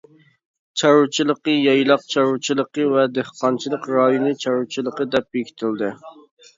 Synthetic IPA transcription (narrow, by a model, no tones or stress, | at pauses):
t͡ʃʰɑɾut͡ʃʰilˠəqəjɑjlˠɑqt͡ʃʰɑɾut͡ʃʰilˠəqəvɛd̪ehqɑnt͡ʃʰilˠəqɾɑjonɨt͡ʃʰɑɾut͡ʃʰilˠəqəd̪ɛp̚jekʲi̥t̪ʰɪld̪ɪ